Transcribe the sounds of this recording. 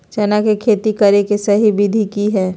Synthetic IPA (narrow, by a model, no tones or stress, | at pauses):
t͡ʃɐnakekʰeːt̪ikɐɾekesɐɦibɪd̪ʱikiɦɛː